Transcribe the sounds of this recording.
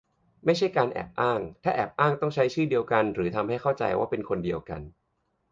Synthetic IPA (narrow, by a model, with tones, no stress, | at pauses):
ma˥˩jt͡ɕʰa˥˩jkaː˧nʔɛ̰ː˨˩p̚ʔaː˥˩ŋt̪ʰaː˥˩ʔɛ̰ː˨˩p̚ʔaː˥˩ŋt̪ɔ˥˩ŋt͡ɕʰa˦˥jt͡ɕʰɯː˥˩di˧əwka˧nɾɯː˩˦t̪ʰa˧mɦa˥˩jkʰa˥˩wt͡ɕa̰˧jwa̰ː˥˩pe˧nkʰo˧ndi˧əwka̰˧n